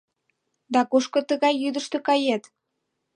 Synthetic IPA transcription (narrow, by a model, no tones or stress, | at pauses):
d̪ɑkuʃkŏt̪əɣɑjːyd̪əʃt̪ø̆kɑjet̪